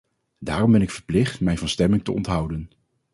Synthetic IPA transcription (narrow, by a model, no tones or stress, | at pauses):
daːrɔmbɛnɪkfəɹplɪχtmɛjnvɑnstɛmɪŋtəɔ̰ntɦʌwdən